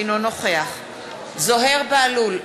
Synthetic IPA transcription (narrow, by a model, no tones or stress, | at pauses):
nonoχeaχ | zo̞ɦe̞ʁbealul